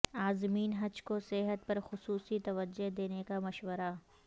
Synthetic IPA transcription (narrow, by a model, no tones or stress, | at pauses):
aːzmiːnɦɐd͡ʒkoseɦət̪̚pɐɾxʊsuːsit̪ɐʋəd͡ʒːoɦd̪eːnekamɐʃwəɾa